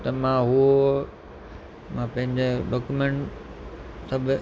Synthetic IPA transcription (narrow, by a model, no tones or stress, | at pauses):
t̪ɐmãɦuo | mãpɐ̃ɦɪ̃ɲd͡ʑeɖɔːkumẽɳʈ | sɐbʱ